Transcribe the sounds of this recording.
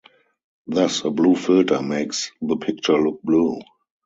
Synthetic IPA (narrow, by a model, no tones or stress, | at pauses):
ðʌsəbluːfɪltʰə˞meɪksðəpʰɪk̚t͡ʃə˞lʊk̚bluː